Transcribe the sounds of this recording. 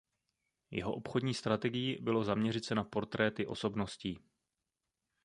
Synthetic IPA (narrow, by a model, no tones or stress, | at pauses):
jɛ̰ɦo̞ʔopxo̞dɲiːst̪ɾat̪ɛɡɪjibɪlo̞zamɲɛrɪt̪t͡sɛnapo̞ɾt̪ɾɛːt̪ɪʔo̞̰so̞bno̞sciː